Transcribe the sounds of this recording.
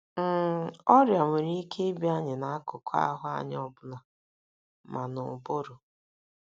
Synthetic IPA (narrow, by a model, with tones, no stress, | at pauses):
m̩˦˨ɔ˦ɾjɔ˨me˨ɾi˦i˦kʰe˦bi˦a˦ɲɪ˨na˨a˦kʊ˨kʰa̰˦ɦʊ˦a̰˨ɲ˦ɔ˦˨bʊ˦la˨ | mʔa˨nʊ˨bo˦ɾʊ˨